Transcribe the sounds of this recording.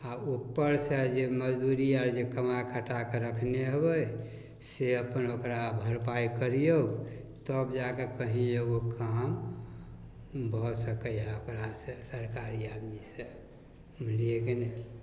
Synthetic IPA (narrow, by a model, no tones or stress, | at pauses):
aupːəɾsəd͡ʒeməd͡ʒd̪uɾiaɾd͡ʒekəmakʰəʈakeɾəkʰneɦəbəj | seəpənokɾabʱəɾpajkəɾijoɡ | t̪əbd͡ʒakekəɦĩeɡokam | bʱɔsəkəjɦɛokɾasesəɾkaɾiad̪mise | məliekene